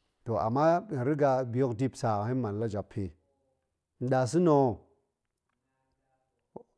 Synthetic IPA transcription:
to˨ʔa̰˨mːa˦˨ɾi˦ɡa˦bi˨jo˦kdi˦psa˨hi˦n˦ma˨n˨la˦d͡ʒa˨pʰːe˨ | n̩˨˦ɗa˨s̬i˦no˨

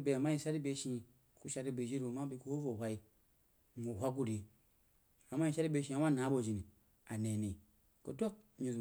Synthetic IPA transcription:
be˨a˨ma˦ji˨ʃa˦ɾi˦be˦ʃĩ˧ | ku˦ʃa˨˦ɾi˦bi˨d͡ʒi˦ɾu˨ma˦bi˦ku˦ho˦vo˨hʷa˦i˦ | mu˨hʷa˦ku˦ɾi˨ | a˨ma˦i˦˨ʃa˦ɾi˦be˦ʃi˦a˨m˦a˦˨na˨˦bo˦˨d͡ʒi˨ni˨ | a˨ne˨ni˨ | ko˨to˦k̚ɲu˨z

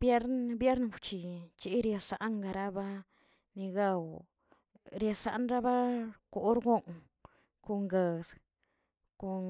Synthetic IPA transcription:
bje˦ɾnbje˦ɾnwt͡ʃi˨t͡ʃi˦ɾje˧sa˨ʔŋɡa˧ɾa˦ba˦ | ni˧ɡa˦˧w | ɾje˧sa̰˨˦nɾa˦ba˦ko˨˦ɾɡo˦ŋ | ko˧ŋɡe˨s | ko˧

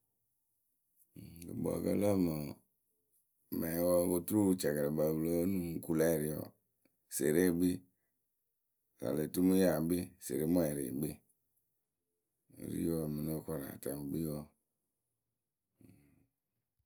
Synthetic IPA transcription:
kḭ˨bɔ̰˨kə̰˦lə˦ma˨ | ma˨˦wɔ˦wo˦tu˦ɾu˦t͡ʃa˨ɡa˨le˨ba˨blo˦nũ˦ku˦la˦˨ɾi˨˦jɔ̰˨ | se˨ɾe˦˨ɡ͡bi˦ | sa̰˨le˨tu˦mu˦ja˨be˦sḛ˨ɾe˦mɔ˦ɛ˨ɾḛ˨ɡ͡be˦˨ | ɾḭ˦ɔ˦˨mi˨no˦kɔ˦ɾa̰˨ta˨m˨ɡ͡bi˦ɔ˦˨

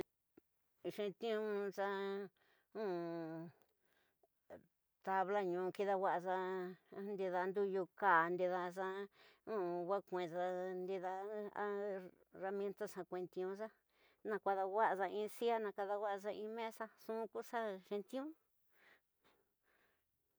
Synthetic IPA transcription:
ʂẽ˧t̪ĩ˦ũ˦sa˧ | ũ˦ | t̪a˧βla˦ɲũ˨˧˨ki˧ða˧wʷa˦ʔza˧nd̪i˧ða˧nd̪u˦˧ju˧kaː˨nd̪i˧ða˧sa˧ũ˦˨wa˦kʷẽ˨za˧nd̪i˧ða˧˦a˦ | ra˧m̃˧ẽ˦nt̪a˦ʂã˧kʷẽ˧t̪ĩ˧ũ˧sa˦ | nã˧kʷa˧ða˧wa˦ʔa˧za˧ĩː˧si˦a˦nã˧ka˧ða˧wʷa˦˧sa˧ĩː˧mẽ˦sa˦sũ˦˧ku˦sa˦ʂĩ˧t̪ĩ˦ũ˦

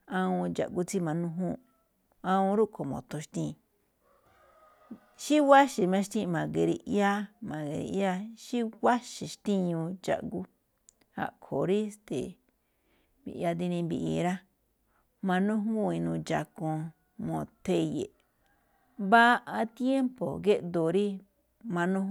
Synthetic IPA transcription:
ã˧ũ˧d͡ʒa̰˨ʔɡu˦t͡si˦mã˧nũ˦ɦũ˦ | ã˧ũ˧ɾu˦kʰo˨mõ̰˨t̪õ˧ʃt̪ĩ˦˧˨ | ʃi˦wa˦ʃi˨mã˧ʃt̪ĩ˦˧mã˨ɡe˨˧ɾḭ˧ja˦mã˨ɡe˧ɾḭ˧ja˦ʃi˦wa˦ʃi˨ʃt̪ĩ˦ɲũ˧d͡ʒa̰˨ʔɡu˦ | ha̰˧˨kʰo˨ɾi˦st̪e˨ | bḭ˧˨˧a˧d̪i˧nĩ˧bḭ˧ʔi˧ɾa˦ | mã˧nũ˦u˦ĩ˧nũː˧d͡ʒa˧kõ˧ | mõ˧˨t̪e˧jḛ˨ | βa˦˧ʔa˧t̪je˦mpo˨ɡe˦ʔ̪d̪o˨ɾi˦ | mã˧nũ˦

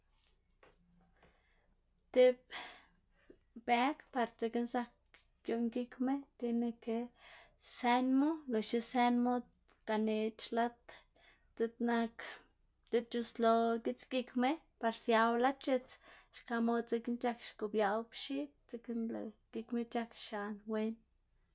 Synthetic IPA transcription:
t̪e˦b̚ | be˦kpa˨ɾt͡se˧ke˦nsa˦k | ɡjo˧ʔŋɡi˦kme˦t̪i˧ne˧ke˧ | se˧nmo˦lo˨ʃi˦se˧˦nmo˦d̪ | ka˨ne˧t͡ʃla˦t̪ | t̪e˧t̪na˧k | t̪e˧d̪̚t͡ʃu˧slo˧ɡi˦t͡sɡi˧kme˦ | pa˨ɾsja˧wla˦t͡ʃe˧t͡sʃka˧mo˦d̪̚t͡se˧ki˦nt͡ʃa˦kʃko˨bja˨wbʃi˦p̚t͡se˧ke˦nlo̰˨ɡ̥i˧kme˦t͡ʃa˦kʃa˨nwe˧n

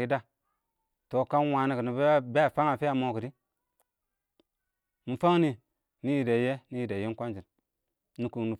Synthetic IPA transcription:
i˦da˦ | to˨ka˦nwa˨ni˦kə˨ni˨bbe˦a˨fa˦ŋa˨fi˦a˨mo˨ki˨di˦ | mi˨fa˦ŋni˦ | ni˦ji˨de˨je˦ni˦ji˨de˨ji˦kʷa˦nd͡ʒi˨n | ni˦ku˨ŋni˨

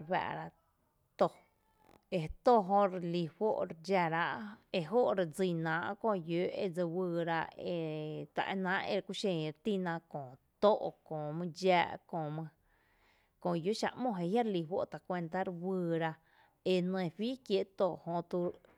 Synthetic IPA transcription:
ɾɸa̰ː˧˨ʔɾa˧ʔ | t̪o˧˨ | e˧t̪o˧ɦõ˧ɾli˧ɸo˦ʔɾd͡ʒa˧ɾa˦ʔe˧ɦo˦ʔɾe˧d͡zi˧˨nãː˨˦ʔkõ˧ju˦ḛ˧d͡zə˧wɨː˧˨ɾa˧ʔe˧t̪a̰˨ʔe˧nãː˦ʔḛ˧ɾkʷu˧ʃẽ˧˨ɾet̪i˦˧nãː˧kõː˨t̪o˦˨ʔkõː˨mɨ̃˧d͡ʒaː˧ʔkõː˧˨mɨ̃˧ | kõ˧˨ju˦ʃa̰˧ʔmõ˧˨e˧hja˦ɾli˧ɸo̰˦ʔt̪a˨kʷe˧nt̪a˦ɾwɨː˧ɾa˧ʔ | e˧nẽ˧˨ɸiː˦kje˧˦ʔt̪o˧˨hõ˧t̪u˧

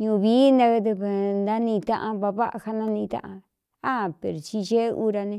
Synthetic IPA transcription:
ɲũ˧˨βiː˦nã˧ke˧d̪u˧ke˧˨nd̪ã˦nĩ˧t̪ã˦˧ʔã˧βa˧βa˦ʔa̰˧ha˧nã˦nĩ˧t̪ã̰˦ʔã˧ | a˦˨pḛ˨ɾo˨t͡ʃi˧ʒe˦u˦ɾa˧nẽ˧˦

